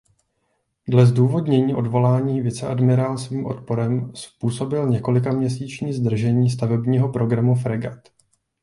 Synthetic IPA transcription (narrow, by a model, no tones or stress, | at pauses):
dlɛzduːvo̞dɲɛɲiːʔo̞dvo̞laːɲiːvɪt͡sɛʔadmɪɾaːlsviːmʔo̞̰t̪̚po̞ɾɛmspuːso̞bɪlɲɛko̞lɪkamɲɛs̬iːt͡ʃɲiːzd̪r̩ʒɛɲiːst̪avɛbɲiːɦo̞pɾo̞ɡɾamufɾɛɡat̪